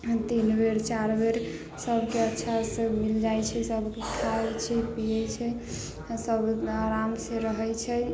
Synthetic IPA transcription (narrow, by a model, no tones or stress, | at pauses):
t̪inbeɾt͡ʃaɾbeɾ | səbʱkeətːʃʰasemild͡ʒajt͡ʃʰɛsəbʱkekʰabt͡ʃʰɛpijɛt͡ʃʰɛ | səbʱaɾamsẽɾəɦɛjt͡ʃʰɛ